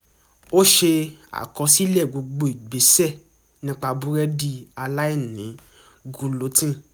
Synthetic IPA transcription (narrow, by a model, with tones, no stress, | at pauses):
o˦ʃe˧a̰˨kɔ̃˧si˦lɛ˦˨ɡ͡bo˨˧ɡ͡bo˧i˨ɡ͡be˨˦sɛ˦˨ | nĩ˦k͡pa˧bu˦ɾɛ˦di˦a˧la˦i˦˨nĩ˨˦ | ɡu˨˧lo˨˦tĩ˦